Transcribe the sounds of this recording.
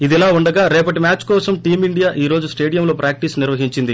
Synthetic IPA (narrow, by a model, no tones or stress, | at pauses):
id̪ɛlaːuɳɖɐɡaːɾɛːpɐʈ̬imaːt͡ʃkɔːsɐmʈiːmiɳɖijaːʔiːɾoːd͡ʒusʈe̞ːɖijɐmloːpɾaːk̚ʈisniɾʋɐɦiɲt͡ʃind̪i